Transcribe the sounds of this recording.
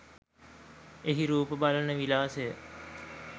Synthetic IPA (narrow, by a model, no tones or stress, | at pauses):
eɦiɾuːpəbalənəʋilaːsejə